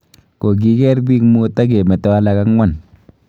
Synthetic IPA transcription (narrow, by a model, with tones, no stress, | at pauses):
ko˨k̬i˦kɛ˦ɾbi˦kmu˦ta˦k̬e˨mɛ˨tɔ˦a˦la˨ka˦kŋwa˦˨n